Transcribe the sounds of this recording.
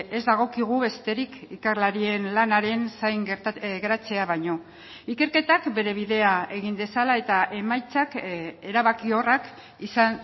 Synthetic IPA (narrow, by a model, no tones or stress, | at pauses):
e̞zd̪aɣ̞o̞kiɣ̞uβe̞st̪e̞ɾikikarlaɾie̞nlanaɾe̞nsajŋɡeɾɣeɾat͡se̞aβaɲo̞ | ike̞ɾke̞t̪akbe̞ɾe̞β̞iðe̞ae̞ɣ̞ind̪e̞salae̞t̪aʔe̞majt͡sake̞ɾaβakio̞rak | isan